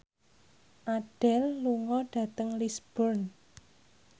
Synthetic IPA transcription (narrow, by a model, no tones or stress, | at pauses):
ʔaɖ̥ɛlːuŋɔɖ̥ä̤t̪əŋlisb̥ɔrn